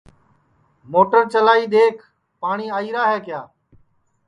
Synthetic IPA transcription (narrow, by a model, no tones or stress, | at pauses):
moːʈəɾt͡ʃəlaːiːɗ̪eːkʰ | paːɳiːaːiːɾaːɦɛːkɪjaː